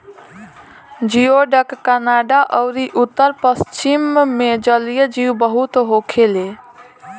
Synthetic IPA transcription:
d͡ʒioɖəkːənaɖaʔəʊɾiʔut̪ːəɾpəst͡ʃimːed͡ʒəlijəd͡ʒiubəɦut̪ɦokʰele

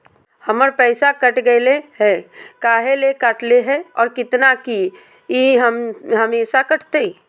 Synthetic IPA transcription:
həməɾpɛːsakəʈɡəeleɦɛkaːɦelekaʈleɦɛɔːɾkɪt̪naki | iɦəmɦəmeːsakəʈʰt̪e

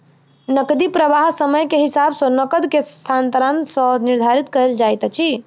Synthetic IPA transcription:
nəkd̪ipɾəʋaɦsəməjkeɦisabsɔ̃nəkəd̪kest̪ʰant̪əɾansəniɾd̪ʱaɾit̪kəeld͡ʒajt̪t͡ʃʰi

